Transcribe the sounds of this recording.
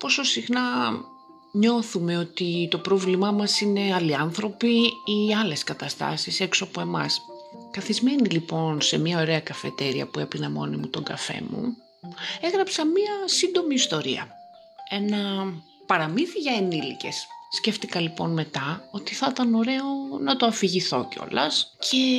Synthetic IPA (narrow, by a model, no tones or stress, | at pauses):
po̞so̞sixnɐ | ɲo̞θume̞o̞t̪it̪o̞pɾovlimɐmɐsine̞ɐliɐnθɾo̞piiɐle̞skɐt̪ɐst̪ɐ̰sise̞ksoɐpo̞e̞mɐ̰s | kɐθizme̞nilipo̞nse̞miɐo̞ɾe̞ɐkɐfe̞̰t̪e̞ɾiɐ̰pue̞pinɐmo̞̰nimut̪o̞ŋɡɐfe̞̰mṵ | e̞ɣɾɐpsɐmiɐsind̪o̞miːst̪o̞ɾḭɐ̰ | e̞nɐ | pɐɾɐmiθiʝɐenilḭce̞̰sːce̞ft̪ikɐlipo̞̰nme̞t̪ɐo̞t̪iθɐt̪ɐno̞ɾe̞o̞nɐt̪oɐfiʝiθo̞̰ceo̞̰lɐ̰scʰe̞